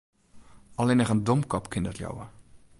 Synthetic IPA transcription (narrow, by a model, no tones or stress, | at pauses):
ɑlɪnəχəndɔmkɔpkɪndɔtjɔ̰wə